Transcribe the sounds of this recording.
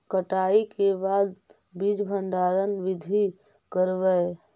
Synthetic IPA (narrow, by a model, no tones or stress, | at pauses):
kəʈaikebad̪ | bid͡ʒbʱəɳɖaɾənʋid̪ʱi | kəɾbɛ